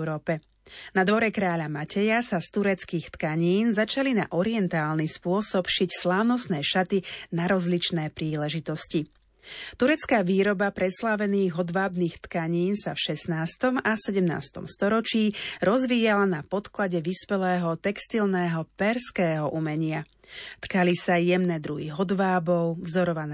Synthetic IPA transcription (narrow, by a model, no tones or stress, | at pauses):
ɾɔːpɛ | nad̪ʋɔɾɛkɾaːʎamacɛjasast̪uɾɛt͡skiːxt̪kaɲiːnzat͡ʃalina̰ʔɔɾiɛnt̪aːlnispʊɔsɔpʃicslaːʊnɔsnɛːʃat̪inaɾɔzlit͡ʃnɛːpɾiːlɛʒit̪ɔsci | t̪uɾɛt͡skaːʋiːɾɔbapɾɛslaʋɛniːɣɦɔd̪ʋaːbniːxt̪kaɲiːnsafʃɛsnaːst̪ɔmasɛɟɛmna̰ːst̪ɔ̰mst̪ɔɾɔt͡ʃiːɾɔzʋiːjalanapɔt̪klaɟɛʋispɛlɛːɦɔt̪ɛkst̪ilnɛːɦɔpɛɾskɛːɦɔʔumɛɲɪa | t̪kalisajɛmnɛd̪ɾuɦḭɦɔd̪ʋaːbɔʊvzɔɾɔʋanɛ